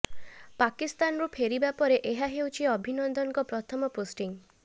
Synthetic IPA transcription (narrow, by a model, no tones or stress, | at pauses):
pakist̪anɾupʰeɾibapɔɾeʔeɦaɦewt͡ʃʰiɔbʱinɔnd̪ɔŋkɔpɾɔt̪ʰɔmɔposʈiŋ